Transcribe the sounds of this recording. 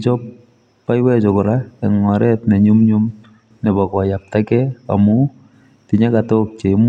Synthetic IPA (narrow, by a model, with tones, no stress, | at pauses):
t͡ʃɔ˦p | pːa˦jwɛ˦t͡ʃɔkʊ˨ɾaɛŋɔ˨ɾʔɛtnɛ˨ɲu˦mɲu˦m | nɛ˨bɔ˨kɔ˨ja˨p̚takɛa̰mu | ti˨ɲa˦katok̚t͡ʃe˨˦m